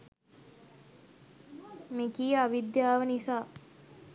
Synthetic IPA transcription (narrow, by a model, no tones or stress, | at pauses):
mekiːəaʋid̪jaːʋənisaː